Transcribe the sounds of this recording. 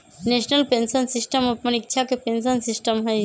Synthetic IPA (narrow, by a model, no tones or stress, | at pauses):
neʃnalpensonsisʈɐmɔpmanikt͡ɕʰakepensonsisʈɐmɦɔj